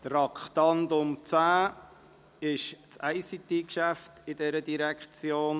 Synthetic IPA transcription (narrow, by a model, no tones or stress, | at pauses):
t̪rɑkχt̪ɑnd̪ʊmt͡sæː | ɪʃt͡sæɪsit̪iːkʃæft̪ɪd̥ɛɾədiɾækt͡sjoːn